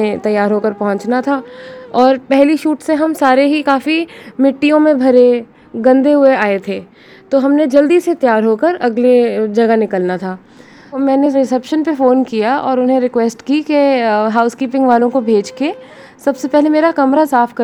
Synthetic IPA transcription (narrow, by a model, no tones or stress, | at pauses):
ẽt̪ɐjːaːɾɦoːkəɾpɐɦʊ̃t͡ʃnat̪ʰaːɔːɾpɛɦliʃuːʈseɦɐmsaːɾeɦikaːfimɪʈːijõmẽbʱɐɾe | ɡɐ̃nd̪eɦʊeaːet̪ʰeː | t̪oːɦɐmned͡ʒɐld̪iset̪jaːɾɦoːkəɾɐɡled͡ʒɐɡanɪkəlnat̪ʰaː | mɛ̃ːneɾɪsɛpʃənpefoːnkijaɔːɾʊnɦẽɾɪkwɛːsʈkikeɦaːʊskiːpɪ̃ŋɡʋaːlõkobʱeːd͡ʒke | sɐbsepɛɦlemeːɾakɐmɾasaːfʰkɐ